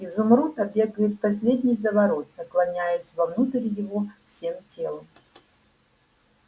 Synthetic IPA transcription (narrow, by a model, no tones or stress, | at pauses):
izʊmɾut̪ɐbʲe̞ɡəjɪt̪̚pɐsʲlʲedʲnʲɪjzəvɐɾo̞t̪̚nəklˠɐnʲajɪsʲvɐvnut̪ɨɾʲjɪvofsʲe̞mtʲe̞lˠəm